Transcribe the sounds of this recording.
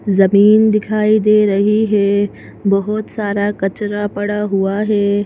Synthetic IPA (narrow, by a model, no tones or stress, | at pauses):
zɐmiːnd̪ɪkʰaːid̪eɾɐɦiɦeː | bɐɦʊt̪saːɾakɐt͡ʃɾapɐɽaɦuaɦeː